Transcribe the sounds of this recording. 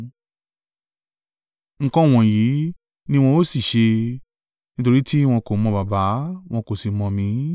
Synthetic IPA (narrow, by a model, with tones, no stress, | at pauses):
ŋ̩˨˧kɔ̃˦w̃ɔ̃˨ji˨˦ | nĩ˦w̃ɔ̃˧o˦˨si˦˨ʃe˧ | nĩ˦t̬o˧ɾi˦ti˦w̃ɔ̃˧ko˨mɔ̃˧ba˨ba˨˦w̃ɔ̃˧ko˨si˨mɔ̃˧mĩ˧˦